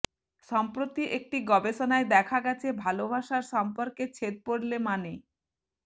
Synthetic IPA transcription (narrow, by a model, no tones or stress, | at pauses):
ʃɔmpɾot̪iʔek̚ʈiɡɔbeʃonaed̪ɛkʰaɡɛt͡ɕʰebʱalobʱaʃaɾʃɔmpoɾket͡ɕʰet̪̚poɽlemane